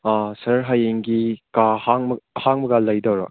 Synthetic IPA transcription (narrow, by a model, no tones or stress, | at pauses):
asɐɾɦajeŋɡikahaŋmhaŋmɐɡalɐjdawɾa̰k̚